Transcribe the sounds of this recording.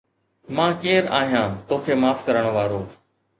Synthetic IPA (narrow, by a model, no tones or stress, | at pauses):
mãːkeːɾa̰ːɦijãːt̪oːkʰeːmaːfkəɾəɽ̃oʋaːɾoː